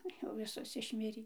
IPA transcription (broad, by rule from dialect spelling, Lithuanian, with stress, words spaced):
ˈjɛʊ ˈʋʲɪsoːs ɪʃʲˈmʲɪrʲiː